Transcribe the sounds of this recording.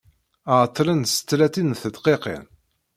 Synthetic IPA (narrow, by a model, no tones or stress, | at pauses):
ʕt̪ˤːlənsə̥t̪ːlæt̪inθəd̪qeqḛn